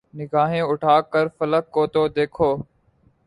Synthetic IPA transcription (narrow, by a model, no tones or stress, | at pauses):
nɪɡaːɦẽːʊʈʰaːkəɾfələkːoːt̪oːd̪eːkʰoː